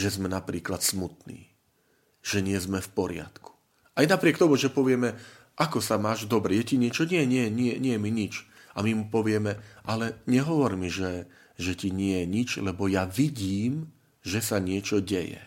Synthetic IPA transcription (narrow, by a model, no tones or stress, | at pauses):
ʒɛzmɛnapɾiːklat̪smut̪nḭː | ʒ̥ɛɲɪɛzmɛfpɔɾɪa̰t̪ku̥ | ʔajnapɾɪɛkt̪ɔmuʒɛpɔʋɪɛmɛʔakɔsamaːʒd̪ɔbɾɛjɛciɲɪɛt͡ʃɔɲɪɛɲɪɛjɛɲɪɛɲɪɛjɛmiɲit͡ʃ | amimupɔʋɪɛmɛʔalɛɲɛɦɔʋɔɾmiʒɛ | ʒɛciɲɪɛjɛɲit͡ʃlɛbɔjaʋiɟiːm | ʒɛsaɲɪɛt͡ʃɔɟɛjɛ̰